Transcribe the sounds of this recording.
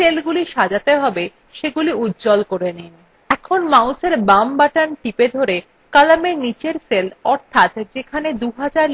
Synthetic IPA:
selɡuliʃad͡ʑat̪eɦɔbe | ʃeɡuliutːd͡ʑɔlkoɾenin | ɛkʰonmauseɾbambaʈanʈiped̪ʱoɾe | kalamenit͡ɕeɾselɔɾt̪ʰat̪d͡ʑekʰaned̪uɦad͡ʑaɾ

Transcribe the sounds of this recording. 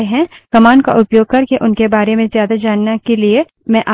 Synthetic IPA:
eɦɛ̃kɐmaːnka̰ʔʊpjoːɡ̚kɐɾkeʔʊnkebaːɾemẽzjaːd̪ad͡ʒaːnːakelie | mɛ̃ʔa

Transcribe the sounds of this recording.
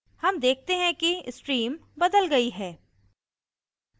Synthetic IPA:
hɐmd̪eːk̚ʰt̪eɦɛ̃kiɪsʈɾiːmbɐd̪əlɡɐiɦɛː

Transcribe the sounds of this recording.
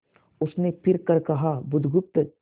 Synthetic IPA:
ʊsnepʰɪɾkɐɾkɐɦabʊd̪ʱɡʊp̚t̪ə

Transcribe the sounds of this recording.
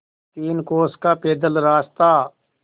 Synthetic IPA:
t̪iːnkoːskaːpeːd̪əlɾaːst̪aː

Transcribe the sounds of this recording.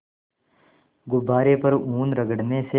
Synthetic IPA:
ɡʊbaːɾepɐɾuːnɾɐɡəɽnese

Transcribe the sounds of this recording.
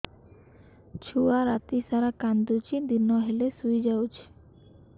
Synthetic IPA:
t͡ʃʰuaɾat̪isaɾakand̪ut͡ʃʰid̪inɔɦelesujd͡ʒawt͡ʃʰi̥

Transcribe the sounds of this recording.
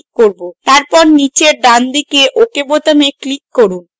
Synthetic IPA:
kkoɾbot̪aɾpɔɾnit͡ɕeɾɖand̪ikeʔokebot̪ameklikːoɾun

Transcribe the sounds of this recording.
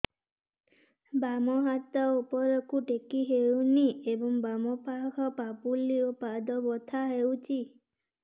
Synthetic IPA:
bamɔɦat̪ɔupɔɾokuʈekiɦewniebɔŋbamɔpakʰɔpapuliopad̪ɔbɔt̪ʰaɦewt͡ʃʰi

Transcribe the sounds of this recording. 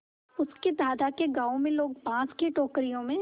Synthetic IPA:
ʊsked̪aːd̪akeɡaːõmẽloːɡ̚pãːt͡ʃkeʈoːkɾijõmẽ

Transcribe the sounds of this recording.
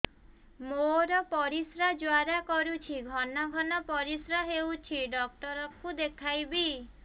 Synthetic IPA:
moɾɔpɔɾisɾad͡ʒwaɾakɔɾut͡ʃʰiɡʱɔnɔɡʱɔnɔpɔɾisɾaɦewt͡ʃʰiɖɔk̚ʈɔɾɔkud̪ekʰajbi

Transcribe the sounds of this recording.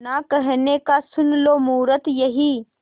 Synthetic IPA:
nakɐɦnekasʊnloːmuːɾət̪jɐɦiː

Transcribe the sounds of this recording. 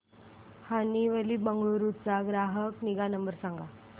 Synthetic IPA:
haniʋəliːbəŋɡəɾut͡saɡɾaɦəkniɡanəmbəɾsãŋɡa

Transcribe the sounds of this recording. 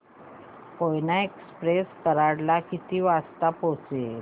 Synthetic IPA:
kojnaekspɾeskəɾaɽlakit̪iːʋast̪apot͡se

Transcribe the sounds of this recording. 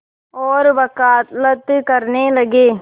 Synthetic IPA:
oːɾʋɐkaːt̪lɐt̪ːkɐɾneːlɐɡeː

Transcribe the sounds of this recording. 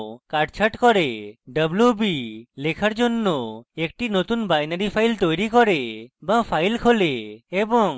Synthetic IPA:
kaʈt͡ʃʰaʈkɔɾeɖəblubilekʰaɾd͡ʒonːoekʈinot̪unbajnaɾipʰajlt̪ojɾikɔɾebapʰajlkʰoleːbɔŋ

